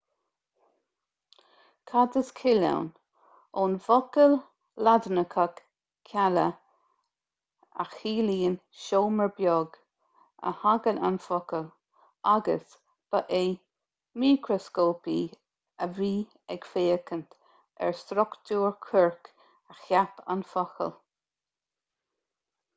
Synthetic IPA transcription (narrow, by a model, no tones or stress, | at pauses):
kʰadəskʰɪla̰wn | oːnvɔkəl | ladnəkʰak | kʰːalə | a̰xhiːliːən | ʃoːməɹbjɔɡ | ə̰haɡəla̰nfɔkəl | aɡə̰s | b̥əʔeː | miːkʰɾɔskoːpiː | əviː | ɛɡ̥feːəkənt̪ | ɛ̰ɹst̪ɾʊkt̪uːɹkʰəɹk | əxjapa̰nfɔxə̰l